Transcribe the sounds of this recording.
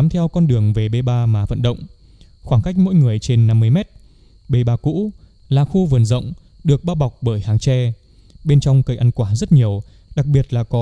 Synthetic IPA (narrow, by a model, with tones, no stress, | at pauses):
a˨˦mt̪ʰɛ˧wkɔ˧nɗɨ˨˩əŋve˨˩ɓe˧ɓaː˧maː˨˩və̰˧˨nɗə̰˧˨wŋ͡m | xwaː˧˩ŋka˦˥jk̟̚mo̰˧˥jŋɨ˨˩əjt͡ɕe˧nːa˧mːɨ˧əjmɛ˦˥t̚ | ɓe˧ɓaː˧kṵ˧˥ | laː˨˩xu˧vɨ˨˩ənzə̰˧˨wŋ͡m | ɗɨ˨˩ək̚ɓaː˧ɓa˨˩wk͡p̚ɓəː˧˩jhaː˨˩ŋt͡ɕɛ˧ | ɓe˧nt͡ɕɔ˧wŋ͡mkə˧˩jʔa˧nkwaː˧˩zə˦˥t̚ɲi˨˩əw | ɗa˨˩k̚ɓi˨˩ət̚laː˨˩kɔ˨˦